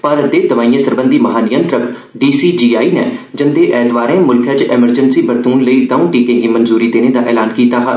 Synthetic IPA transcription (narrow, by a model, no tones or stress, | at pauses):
pəɾd̪eːt̪əʋaːiːãsəɾbə̃nd̪iːmɐɦaːnɪjə̃nt̪ɾək | ɖiːsiːd͡ʒiːaːiːnɛ̰d͡ʒɪnd̪eːʔɛːt̪ʋaːɾẽːmʊlkʰət͡ʃeməɾd͡ʒənsiːbəɾt̪uːnləiːd̪ɐũːʈiːkẽːɡiːmənzuːɾiːd̪eːned̪aːʔɛːlaːnkiːt̪aːɦa